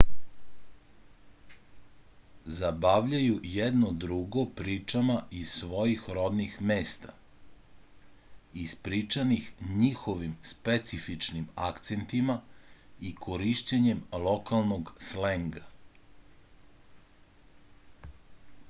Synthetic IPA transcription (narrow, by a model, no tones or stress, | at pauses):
zabaːʋʎajujɛd̪nod̪ɾuɡopɾiːt͡ʂamaisʋo̞jixɾo̞d̪nixmeːst̪a | ispɾiːt͡ʂanixɲixoʋimspet̪sifit͡ʂnimakt̪sent̪imaikʰoɾiʃt͡ɕeɲemlo̞kalˠnoɡsleŋɡa